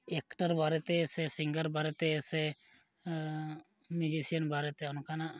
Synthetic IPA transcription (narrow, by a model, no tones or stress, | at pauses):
ekʈaɾbʱaɾɛt̪ɛsɛsiŋɡəɾbʱaɾet̪ɛːsɛ | mud͡ʒisijənbʱaɾet̪eɔnɔkʰanaʔ